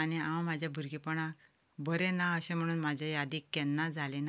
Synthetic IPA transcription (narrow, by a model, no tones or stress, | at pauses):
aniãwmad͡ʑʱjabʱuɾɡipəɳ̃ak | bəɾẽnaəɕẽm̤əɽ̃uːnmad͡ʑʱajad̪iːkːɛnːad͡zʱalena